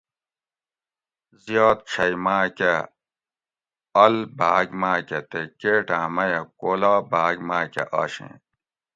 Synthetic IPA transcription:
zijoːt̪̚t͡ɕʰɐjmaːke | ɐlbaːɡmaːkʲet̪ekeːʈãːmɐjɐkoːlaːbaːɡmaːkḛʔɐːɕḛ̃ː

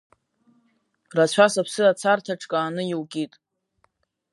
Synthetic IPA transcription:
rat͡ɕʷʰasapʰsɨat͡sʰartʰaʈ͡ʂʰʼkʼaːnɨjiwkʲʼitʼ

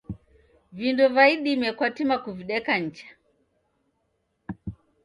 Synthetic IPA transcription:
vindɔvaiɗimɛkwatimakuviɗɛkaɲ̩t͡ʃḁ

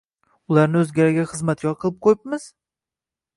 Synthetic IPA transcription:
ʊlˠaɾnɪɵzɡʲaɾaɡʲaχɨzmat̪̚kʲɒɾqʰɨlˠɪp̚qʰojɪp̚mɪz̥

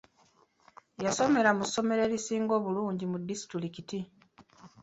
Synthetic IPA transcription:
jaso̞me̞ɾamuso̞me̞ɾe̞ɾisiːŋɡo̞ːβuluːɲɟimudːisi̥tɾilikiti

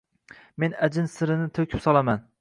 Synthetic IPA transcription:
me̞nad͡ʒɪnsɪɾɪnɪt̪ʰokʲʰɪpsɒlˠaman

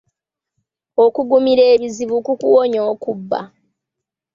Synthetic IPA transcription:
okuɡumiɾe̞ːβiziβukukuwoɲoːkubːa̰

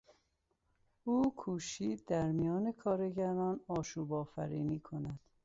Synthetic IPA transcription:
uːkʰuːʃiːd̪æɾmijɒːne̞kʰɒːɾe̞ɟæɾɒːnɒːʃuːbɒːfæ̰ɾiːniːkʰonæd̪̥

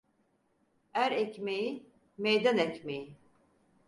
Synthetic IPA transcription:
æɾɛcmeji | mejd̪ænɛcmeji

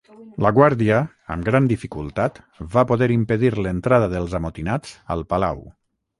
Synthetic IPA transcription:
ləɣwaɾðiə̰ː | mɡɾand̪ifikulˠt̪at̪ | βapoðɛɾimpəðiɾlənt̪ɾaðəðəlˠzamot̪inad͡zə̰lˠpala̰w

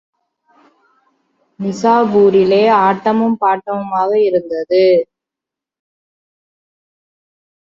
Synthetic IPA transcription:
nɪsaːbuːɾɪleːaːʈːɐmɯmpaːʈːɐʋɯmaːɣɐɪɾɯnd̪ɐðɯ

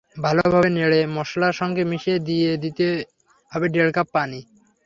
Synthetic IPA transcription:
bʱalobʱabeneɭemɔʃlaʃɔŋɡemiʃed̪ijed̪it̪e | ɦɔbeɖelkapːani

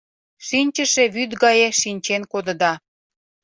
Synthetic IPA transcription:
ʃinʲt͡ɕəʃeβyt̪ɡɑjeʃinʲt͡ɕenkod̪ə̆d̪ɑ

